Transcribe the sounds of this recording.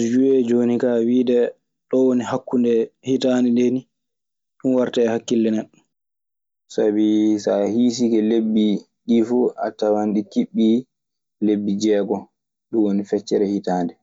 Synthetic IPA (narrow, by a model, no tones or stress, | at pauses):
d͡ʒuɛd͡ʒonikawiːdɛ | ɗɔwonihakːundɛhitandɛndeni | ɗunwaɾtaɛhakːilːɛnɛɗɔ | sabisahiːs̬ikɛlebːi | ɗifua̰tawanɗikiɓːi | lebːid͡ʒɛːɡɔ | ɗuwonifɛt͡ʃːɛɾɛhitaːndɛ